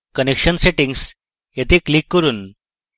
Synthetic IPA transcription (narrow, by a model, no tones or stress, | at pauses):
kənekɕənseʈiŋɡs | jet̪eklikːəɾuːn